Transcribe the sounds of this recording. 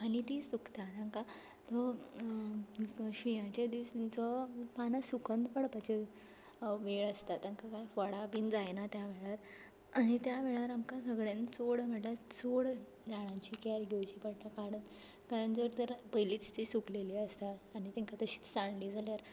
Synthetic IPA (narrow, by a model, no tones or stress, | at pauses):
añit̪iːsukt̪at̪ãŋka | t̪ɔ | ɕijãt͡ɕed̪ist͡sɔpanasukʰə̃nd̪pəɽpat͡ɕe | ʋeɭəst̪at̪ãŋkakajfɔɽabind͡zajnat̪jaʋeɭaɾ | aɽ̃it̪jaʋeɭaɾamkasəɡɭent͡soɽm̤əɳʈlat͡soɽ | d͡zaɽ̃at͡ɕikaɾɡʱewt͡ɕiːpəɽʈakaɽət̪ | kaɾand͡zəɾt̪əɾpəjlit͡st̪isukleliːəst̪aaɽ̃it̪ẽŋkat̪əɕi̥ːt͡st͡sãɳliːd͡zʱaljaɾ